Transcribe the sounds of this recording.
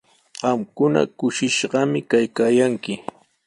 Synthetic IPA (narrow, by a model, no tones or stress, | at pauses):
ɢɑmkʊna̰kʊʃɪʃɢɑmɪkajkaːjaŋkɪ